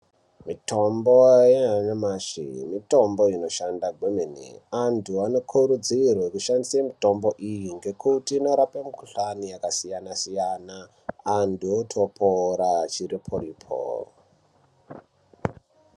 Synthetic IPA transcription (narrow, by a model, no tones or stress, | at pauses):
mito̞mbojeɦanamaʃḭmito̞mbo̞ino̞ʃandaɡʱwemenḭantʰuano̞kʰuɾud͡zirwekuʃandisemito̞mboʔijiŋɡe̞kutiːno̞ɾapemukuɬanijakasijanasijanaː | ntʰuotʰopʰoɾat͡ʃiɾipʰoɾipʰo̰ːro